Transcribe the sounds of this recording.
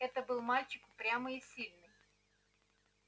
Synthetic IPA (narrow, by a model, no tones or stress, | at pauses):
ɛt̪əbɨlˠmalʲt͡ɕɪkʊpɾʲaməɪsʲilʲnɨj